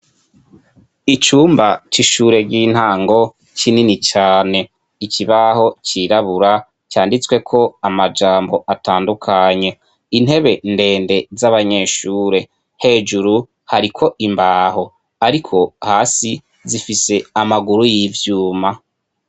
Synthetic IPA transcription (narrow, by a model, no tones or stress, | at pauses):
it͡ʃuːmbat͡ʃiʃuːɾe̞ɡɡiːn̥haːŋɡo̞ | cininit͡ʃaːne̞ | iciβaho̞ciɾaβuɾa | caːndit͡swe̞kʰo̞amad͡ʒaːmbo̞ʔataːndukʰaɲe̞ | in̥he̞βe̞nde̞ːnde̞zaβaɲe̞ːʃuːɾe̞ | he̞ːd͡ʒuɾu | haɾikʰo̞ʔimbaːho̞ | aɾikʰo̞haːsi | zifise̞amaɡuɾujivjuːma